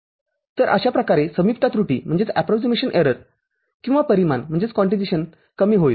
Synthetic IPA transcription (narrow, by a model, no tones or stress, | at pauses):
t̪əɾʔə̰ɕapɾəkaɾesəmipt̪at̪ɾuʈḭːm̤əɳd͡zet͡sæpɾɔksimeɕənʔeɾəɾ | kĩw̃ʋapəɾimanm̤əɳd͡zet͡skɔ̃ɳʈid͡ziɕən | kəmiːɦoj